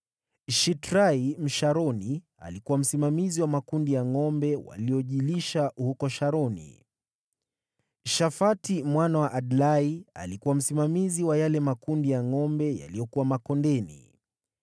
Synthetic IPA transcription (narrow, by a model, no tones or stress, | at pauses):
ʃitɾaim̩ʃaɾɔni | a̰likuwam̩simamiziwamakundijaŋɔmbɛwa̰lijɔʄiliʃauhukɔʃaɾɔnḭ | ʃafatimwanawaʔadlaia̰likuwam̩simamiziwajalɛmakundijaŋɔmbɛja̰lijɔkuwamakɔndɛnḭ